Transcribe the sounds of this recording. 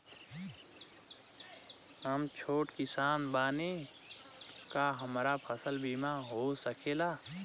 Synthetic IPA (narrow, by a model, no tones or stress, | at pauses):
ɦəmt͡ʃʰoːʈkɪsaːnbaːne | kaɦəmɾapʰəsəlbimaɦosəkʰeːlaː